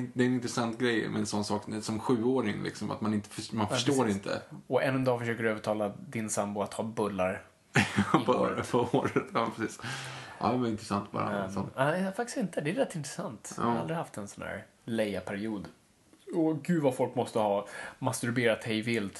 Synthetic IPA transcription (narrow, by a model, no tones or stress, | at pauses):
d̪ɛɛnɪnt̪ɾɛsant̪ɡɾɛjmɛ̰ɛnsɔnːsɑːk̪ɛsɔmɧʉ̟ːoːɾɪŋlɪ̰ksɔma̰t̪manɪnt̪ə̥fmanfœʂʈoːɾɪnt̪ʰə̰ɔʔɛnːɛnd̪ɑːfəʂøːkəɾøːvəʈʰɑːlad̪ɪnsambʊat̪hɑːbɵlːaɾ | pʰːɾpʰɔoːɾət̪ʰjɑːmpɾɛsiːsʔɑ̰ːd̪ɛvaɾɪnt̪ɾɛsa̰nt̪̚bɑ̰ːɾa̰sɔafak̚t̪ɪst̪ɪnt̪əd̪ɛːɾɛt̪ːɪnt̪ɾɛsant̪ːɾald̪ɾɪhaft̪ɛnsɔnhæ̰ːɾ | lɛjapʰæɾɪuːd̪ | ɔɡʉ̟ːvafɔlkmɔst̪əhɑːmast̪ɵɾbeːɾat̪hɛjvɪlt̪